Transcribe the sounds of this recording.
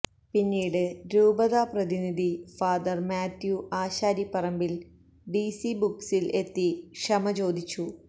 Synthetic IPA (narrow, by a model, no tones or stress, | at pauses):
pinːiːɽɨɾuːbɐðaːprɐðiniðʱifaːd̪ɐrmaːt̪juʔaːɕaːɾipːɐrɐmbil | ɖisibuksile̞t̪ːiʂɐmɐt͡ɕo̞ːd̪it͡ɕːu